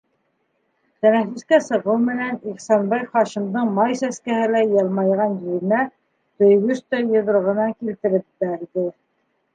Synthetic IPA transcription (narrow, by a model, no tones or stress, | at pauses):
t̪ænæfɘ̆skæsɤ̆ʁɤwmɘ̆næniχsɑnbɑjχɑʃĭmd̪ɤɴmɑjsæskæhɘlæjɑlˠmɑjʁɑnjiɾɘ̆næ | t̪ɵ̆jɡɵʃt̪æjɤ̆ðɾŏʁɤ̆nɑŋkilt̪ɘ̆ɾɘp̚t̪æid̪ɘ